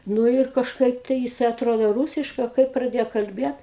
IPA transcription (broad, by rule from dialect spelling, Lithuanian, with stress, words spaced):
ˈnʊ ɪr kɐʃˈkɐɪp tɐɪ jɪˈsɐɪ ɐtˈroːdoː ˈruːsʲɪʃkɐɪ ɐ ˈkɐɪp prɐˈdʲeːjoː kɐlʲˈbʲiɛt